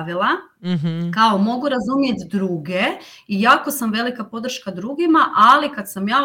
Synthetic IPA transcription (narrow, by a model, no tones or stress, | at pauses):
ʋilˠa | kaomo̞ɡuɾazumje̞t̪d̪ɾuːɡe̞ | ijaːkosamʋe̞likapo̞d̪r̩ʃkad̪ɾuɡimaʔalikad̪samjaː